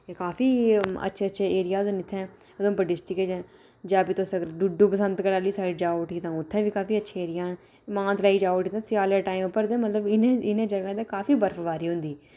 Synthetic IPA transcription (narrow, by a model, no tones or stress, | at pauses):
ekaːfiːə̰tːʃʰeːətːʃʰeːeːɾɪjaːznɪt̪ʰːɛ̃ː | əd̪õːpəɖɪsʈɪkeːd͡ʒe | d͡ʒaːpiːt̪ʊsːəɡəɾɖuɖũːpəsə̃nd̪kəɾaːliːsaːiːd͡ʒaːʊʈiːt̪ãːʊt̪ʰːɛ̃ːʋiːkaːfiːətːʃʰeːeːɾɪjaː | mãːnzlaːiːd͡ʒaːʊʈiːt̪ãːsɪaːləʈaːiːmpːəɾd̪ẽːmət̪ləbɪnẽːɪnẽːd͡ʒəɡãːd̪eːkaːfiːbəɾfʰʋaːɾiːɦʊ̃nd̪iː